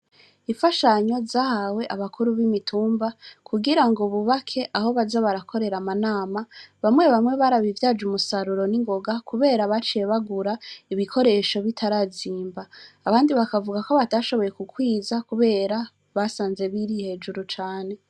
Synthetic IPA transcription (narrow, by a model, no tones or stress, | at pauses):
iɱfaʃaɲo̞zaːhawe̞ʔaβakuɾuβimitʰuːmbakʰuɡiɾaŋɡoβuβakʰe̞ʔaho̞βazaβaɾakʰo̞ɾe̞ɾamanaːmaβamŋwe̞βamŋe̞βaɾaβivjad͡ʒumusaɾuɾo̞niŋɡo̞ɡakuβe̞ːɾaβat͡ʃije̞βaɡuɾaiβikʰo̞ɾe̞ʃo̞βitʰaɾaziːmbaːβaːndiβakavuɡako̞βataʃo̞βo̞je̞kukwiːzakuβe̞ːɾa | βasaːnze̞βiɾihe̞ːd͡ʒuɾut͡ʃaːne̞